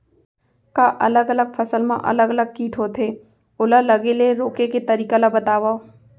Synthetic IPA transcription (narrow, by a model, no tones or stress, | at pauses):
kaʔɐləɡələɡ̚fʰɐsəlmã̰ʔɐ̰ləɡələɡ̚kiːʈɦoːt̪ɦe | ʊləlɐɡeleɾoːkeket̪ɐɾiːkalabɐt̪aːʋa